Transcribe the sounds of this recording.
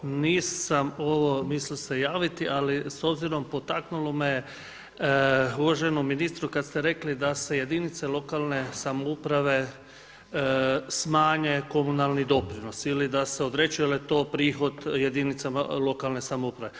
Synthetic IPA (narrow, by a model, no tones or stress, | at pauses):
niːsamo̞ʋo̞mislisejaːʋit̪iʔaliso̞bziɾo̞mpo̞t̪aknulomeje | uʋaʒenomːiniːst̪ɾukad̪st̪eɾe̞klid̪ase̞je̞d̪init̪selˠo̞kalˠne̞samoupɾaʋe̞ | smaːɲe̞ko̞munalˠnid̪o̞pɾino̞silid̪aseod̪ɾet͡ʃijelet̪o̞ːpɾiːxo̞d̪je̞d̪init̪sama̰lˠo̞kalˠne̞samoupɾaʋe